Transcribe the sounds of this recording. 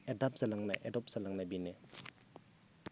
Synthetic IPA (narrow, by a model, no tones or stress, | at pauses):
edap̚z̥alaŋnɐʔedɔp̚z̥ɐlaŋnɐbine